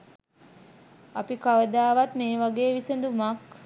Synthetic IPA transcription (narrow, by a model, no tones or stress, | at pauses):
apikaʋəd̪aːʋat̪meːʋaɡeːʋisənd̪umak